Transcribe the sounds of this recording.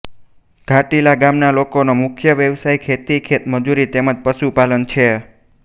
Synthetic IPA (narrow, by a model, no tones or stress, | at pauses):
ɡ̥ʱaʈilaɡamnalokonomʊkʰjəʋjəʋsajkʰet̪ikʰet̪məd͡ʒuɾit̪eməd͡ʒpəʃupalənt͡ʃʰe